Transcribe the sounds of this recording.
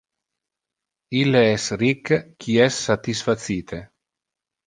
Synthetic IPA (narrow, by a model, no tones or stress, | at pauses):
ileɛsrikːkʰiɛsːat̪isfat̪siːt̪ʰe